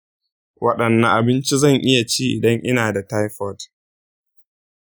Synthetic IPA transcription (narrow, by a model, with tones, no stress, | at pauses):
wʔɐ˦ɗɐ˨nːɐ̃˦ʔa˨bɪ˦nt͡ʃi˦zɐ˦˨ŋʔɪ˦ja˨t͡ʃiː˦ʔɪ̰˨dɐ˦ŋʔɪ˦naː˨da˨ta˦jɸɔ˦˨t